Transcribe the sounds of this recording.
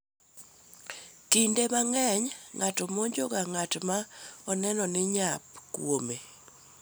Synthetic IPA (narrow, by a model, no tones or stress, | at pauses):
kindemaŋɛɲŋatɔmoɲd͡ʒoɡaŋatmaɔnɛnɔnɪɲap̚kwome